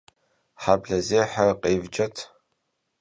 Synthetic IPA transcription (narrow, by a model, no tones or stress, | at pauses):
ħabɮɐzeːħarqeːvd͡ʒɐtʰ